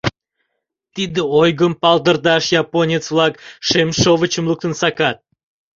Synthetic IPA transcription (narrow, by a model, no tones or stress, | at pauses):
t̪id̪əojɡəmpɑld̪ərd̪ɑʃjɑponʲet͡svlˠɑkʃemʃovət͡ɕəmlˠuk̚t̪ənsɑkɑt̪̚